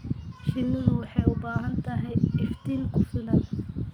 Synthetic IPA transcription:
ʃɪnːɐðʊwɑħɑjʊbaːɦɐnt̪ʰɐɦɛjɪft̪ʰiːlkʰʊfɪlɐl

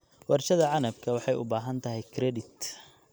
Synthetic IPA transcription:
wɑrʃɐðɐʕɑnɐbkʰɐwɑħɑjʊ̰baːɦɐnt̪ʰɐɦɛjkʰɾɛdɪt̪

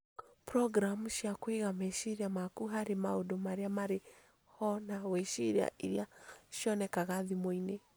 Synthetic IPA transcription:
pɾɔɡɾamuʃiakweɣamɛʃiɾiamakuɦaɾimaodɔmaɾiamaɾe | hɔnawɛʃiɾia̰ʔiɾiaʃiɔnɛkaɣaðimwɔinɛ

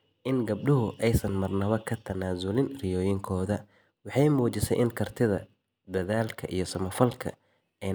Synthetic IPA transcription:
ʔɪnɡɐb̚ɖʊɦʊʔɛjsɐnmɐrnɐβɐkʰɐt̪ʰɐnaːzʊlɪnrɪjɔːjɪŋkʰɔːðɐ | wɑħɑjmuːt͡ʃɪsɛjʔɪnkʰɐrt̪ʰɪðɐ̰ | d̪ɐðaːlkʰɐʔijɞsɐmɐfɐlkʰɐ̰ | ɛj

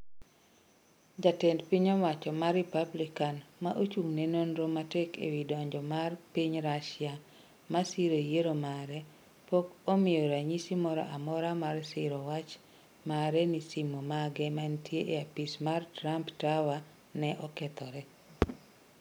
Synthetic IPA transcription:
d͡ʒatɛndpiɲowat͡ʃɔmarːɪpablikanmaʔot͡ʃuŋnenonɾomatɛkḛwidɔɲd͡ʒɔmarpiɲɾaʃɪa | masiɾojeɾomaɾɛ | pokomɪjɔɾaɲisimɔɾɔ̰ʔamɔɾamarsɪɾɔwat͡ʃ | maɾɛnisimomaɡɛmantjeʔeapismartɾamptawa | nɛʔɔkɛt̪ɔɾɛ

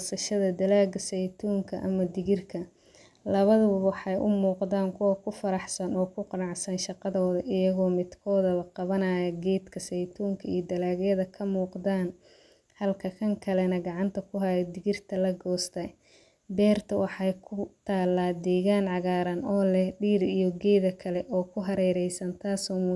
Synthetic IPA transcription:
sɐʃɐðɐd̪ɐlaːɡɐsɛjt̪ʰuːŋkʰɐʔɐ̰mɐd̪ɪɣɪrkʰɐ | lɐβɐðɐβɐwɑħɑjʔʊmuːqd̪aːŋkʰʊwɐkʰʊfɐɾɑħsɐnɔːkʰʊqɑnɑʕsɐnʃɑqɑðɔːðɐʔɪjɐɣɔːmɪd̪kʰɔːðɐβɐqɑβɐnaːjɐɡɛːd̪kʰɐsɛjt̪ʰuːŋkʰɐijd̪ɐlaːɣjɐðɐkʰɐmuːqd̪aːn | hɐlkʰɐkʰɐŋkʰɐlɛnɐɡɑʕɑnt̪ʰɐkʰʊɦɐjɛd̪ɪɣɪrt̪ʰɐlɐɡɔːst̪ʰɐj | bɛːrt̪ʰɐwɑħɑjkʰʊt̪ʰaːlːaːd̪ɛːɣaːnʕɑɣaːɾɐnɔːlɛhɖiːɾijɔɡɛːðɐkʰɐlɛʔɔːkʰʊɦɐɾɛːɾɛjsɐnt̪ʰaːsɔːm

